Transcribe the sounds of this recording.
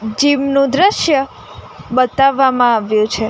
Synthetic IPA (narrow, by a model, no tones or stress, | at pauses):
d͡ʒimnũd̪ɾəʃjə | bət̪aʋːamãaʋjũt͡ʃʰe